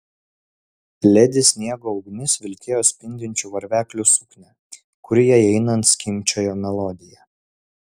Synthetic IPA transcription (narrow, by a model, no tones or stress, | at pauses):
lʲɛd̪ʲɪsʲnʲiɛɡoːɒʊɡnʲɪsʋʲɪlʲkʲeːjoːsʲpʲɪnʲd̪ʲɪnʲt͡ʃʲuʋɐɾʲʋʲæːklʲusʊknʲɛ | kʊɾʲɪjɛɛɪnɐnt̪sʲkʲɪmʲt͡ʃʲoːjoːmʲɛlˠɔd̪ʲɪjɛ